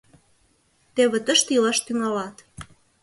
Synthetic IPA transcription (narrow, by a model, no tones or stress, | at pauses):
t̪eβĕt̪əʃt̪ilɑʃt̪yŋɑlɑt̪